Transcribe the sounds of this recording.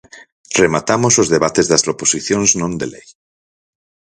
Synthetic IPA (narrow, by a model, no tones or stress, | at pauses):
remat̪amosozðeβat̪ezðɐsɾoposiθjõnznõnd̪ḛlej